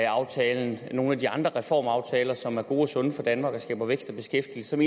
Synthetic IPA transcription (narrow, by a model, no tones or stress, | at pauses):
ɑ̈ʊt͡sʰɛːln̩no̝ːn̩æd̥iɑ̈nd̥ʁɐʁɛfɒ̰ːmɑ̈ʊt͡sʰɛːlɐsɒ̽mæɐɡ̥o̝ːɒsɔ̽nəfɒ̽d̥ænmɑ̈ːɡ̥ɒsɡ̥ɛ̰ːb̥ɐʋeɡ̥sd̥ɒb̥e̝sɡ̥efd̥ilsə̥sɒ̽me